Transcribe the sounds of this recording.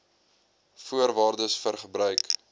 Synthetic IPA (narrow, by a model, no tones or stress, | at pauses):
fuərvɑːrdəsfərχəbɾœɥk